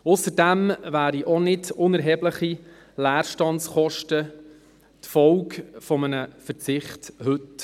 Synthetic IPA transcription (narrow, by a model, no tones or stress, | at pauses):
ʊsəɾdæmvæːɾiʔɔnɪdʊnɛɾɦɛbləχi | læːɾʃtɑntsχɔʃtə | t̪fɔʊkfɔmənəfəɾt͡sɪχthɵt